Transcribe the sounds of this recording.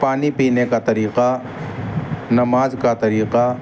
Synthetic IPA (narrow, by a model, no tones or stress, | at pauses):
paːnipiːnekat̪ɐɾiːqa | nɐmaːzkat̪ɐɾiːqa